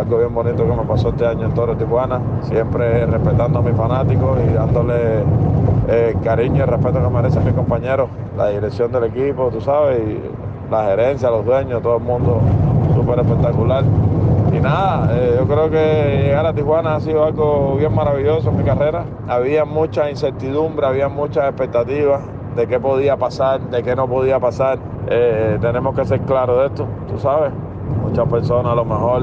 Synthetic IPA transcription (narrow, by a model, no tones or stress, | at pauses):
alɡoβje̞mbo̞nit̪oke̞me̞pasoeht̪e̞aɲoent̪oɾot̪ihwana | sje̞mpɾerehpe̞t̪and̪oamisfanat̪ikoiðand̪ole | ekaɾiɲoirehpet̪okemeɾeseamiko̞mpaɲe̞ɾo | la̰ðiɾeksjo̞nd̪e̞le̞kipot̪usaβesi | lahe̞ɾe̞nsjalo̞ðwe̞ɲot̪oðoelmũnd̪o̞supe̞ɾehpe̞k̚t̪akulaɾḭnaðaeʝo̞kɾeokeʝjeɣaɾat̪ihwanaas̬iðoalɡoβje̞ŋmaɾaβiʝo̞soemikare̞ɾa | aβiamũt͡ʃainse̞ɾt̪iðumbɾeaβiamũt͡ʃase̞hpe̞k̚t̪at̪iβas | d̪e̞ke̞po̞ð̞iapasaɾd̪e̞ke̞no̞po̞ðiapasaɾ | et̪e̞nẽ̞mohkese̞ɾklaɾoðe̞ht̪ot̪usaβes | mũt͡ʃape̞ɾso̞nalo̞mehoɾ